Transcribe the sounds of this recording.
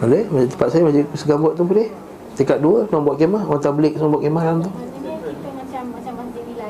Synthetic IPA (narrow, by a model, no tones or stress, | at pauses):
alemad͡ʒit̪əmpat̪sajamad͡ʒisəɡambɔʔt̪ːupəleh | t̪ekat̪̚duəsnaŋbuaʔ̪̚kemahant̪abəlɪk̚sabuaʔ̪kemahant̪u